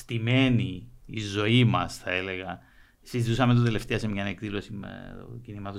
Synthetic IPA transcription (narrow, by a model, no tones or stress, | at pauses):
st̪ime̞niizo̞imɐsθɐe̞le̞ɣɐ | sizit̪usɐment̪ot̪ele̞ft̪eɐsemʝɐnekðilo̞sim̰cinimɐt̪o